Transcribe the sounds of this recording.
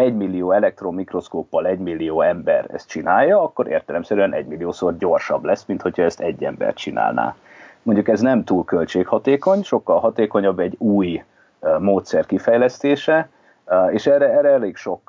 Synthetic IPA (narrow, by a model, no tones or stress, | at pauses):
ɛɟmilːijoːɛlɛk̚t̪ro̞mːikro̞skoːpːɒlɛɟmilːijoːɛmbɛ̰rɛ̰st̪̚t͡ʃinaːjːɒɒkːo̞ɾḛːrt̪ɛlɛmsɛɾyɛnʔɛ̰ɟmilːijoːsorɟo̞rʃɒblɛsmint̪ho̞chɒɛst̪ɛɟːɛ̰mbɛ̰rt̪t͡ʃina̰ːlna̰ː | mo̞ɲɟukɛznɛmt̪uːlkø̞lt͡ʃeːkhɒt̪eːko̞ɲʃo̞kːɒlɦɒt̪eːko̞ɲɒbːɛɟuːj | moːt̪sɛrkifɛjlɛst̪eːʃɛ | eːʃɛːrɛɛrːɛɛleːkʃo̞k